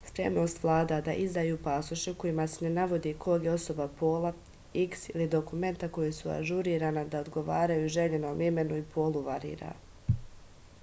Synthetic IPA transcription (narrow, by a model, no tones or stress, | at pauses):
spɾe̞̰mno̞ːst̪ʋlˠaːd̪ad̪aʔizd̪aːjuːpaːsuʃiko̞jimasene̞naʋo̞d̪iːkʰo̞ɡjeo̞so̞bapo̞ːlˠa | iksilid̪o̞kume̞nt̪ako̞jisua̰ʒuɾiːɾaːnad̪ao̞d̪ɡo̞ʋaːɾajuʒe̞ʎeno̞ːmime̞nuipʰo̞ːlˠuʋaɾḭːɾa̰ː